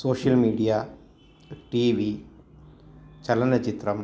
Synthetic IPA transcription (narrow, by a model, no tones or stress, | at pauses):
soːʂjɐlmiːɽijaː | ʈiːʋi | t͡ɕɐlɐnɐt͡ɕit̪rɐm